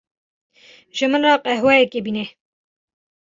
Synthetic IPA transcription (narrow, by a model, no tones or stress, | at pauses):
ʒɨmɨnrɑːqʼɛhwɛjɛkebiːne